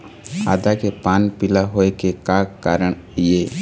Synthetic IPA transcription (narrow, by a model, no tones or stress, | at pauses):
a̰ːd̪akepaːnpɪlaɦoːekekakaːɾəɳ | jeː